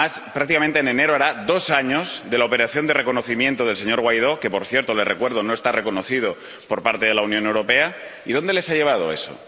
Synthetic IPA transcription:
aspɾak̚t̪ikament̪enene̞ɾoaɾaðo̞saɲo̞zðe̞laope̞ɾaθjo̞nd̪e̞re̞kono̞θimje̞nt̪oð̞e̞lse̞ɲo̞ɾɣwajðo̞ke̞po̞ɾθje̞ɾt̪ole̞rekwe̞ɾðo̞no̞est̪are̞ko̞noθið̞o | po̞ɾpaɾt̪eðe̞launjõ̞ne̞wɾo̞pe̞aiðo̞nd̪e̞le̞saʎe̞β̞aðoe̞̰so̰

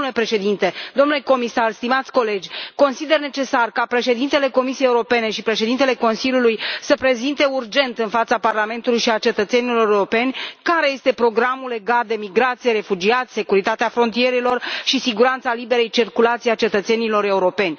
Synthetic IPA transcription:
ulepɾe̞ʃe̞d̪int̪e̞d̪o̞mnule̞ko̞misarst̪imat̪sʲko̞le̞d͡ʒʲko̞nsid̪erne̞t͡ʃe̞sarkapɾe̞ʃe̞d̪int̪e̞leko̞misijejːuɾo̞pene̞ʃipɾe̞ʃe̞d̪int̪e̞le̞ko̞nsiljulujsəpɾe̞zint̪e̞urd͡ʒe̞nt̪ɨnfat̪saparlame̞nt̪ulujʃiat͡ʃe̞t̪ət̪se̞nilo̞ɾeuɾo̞pe̞nʲkaɾe̞je̞st̪e̞pɾo̞ɡɾamule̞ɡat̪̚d̪e̞miɡɾat̪sijeɾe̞fud͡ʒiat̪sʲse̞kuɾit̪at̪eafɾo̞nt̪ije̞ɾelo̞rʃisiɡuɾant̪salibe̞ɾe̞jt͡ʃirkulat̪siat͡ʃe̞t̪ət̪se̞nilo̞ɾe̞uɾo̞pe̞nʲ

